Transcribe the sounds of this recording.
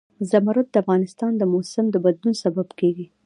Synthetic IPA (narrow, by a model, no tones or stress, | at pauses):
zamaɾʊt̪̚d̪əafɣɑnɪst̪ɑnd̪əmosɪmd̪əbad̪lunsababkeɡi